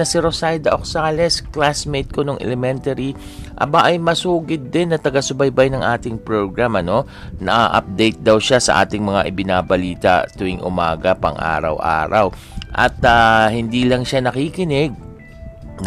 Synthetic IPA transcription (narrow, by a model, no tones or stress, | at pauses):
ɐsiɾosajd̪ɐʔok̚saːlɛsklasmejt̪̚konoŋʔɛ̰lɛmɛnt̪ɐɾi | ʔɐ̰baʔɐjmɐsuːɡɪd̪̚ːɪnːɐt̪ɐɡɐsʊbɐjbajnɐŋʔaːt̪ɪŋpɹo̞ɡɹamʔɐno̞ | nɐʔaʔɐ̰p̚d̪ejt̪̚d̪ɐwʃasɐ̰ʔa̰ːt̪ɪŋmɐŋaʔɪbɪnaːbɐliːt̪ɐ̰t̪ʊʔɪŋʔʊ̰maːɡɐpɐ̰ŋʔa̰ːɾɐ̰wʔa̰ːɾɐ̰w | ʔɐ̰t̪ahɪnd̪iːlɐŋʃanɐkiːkɪnɪɡ̪̚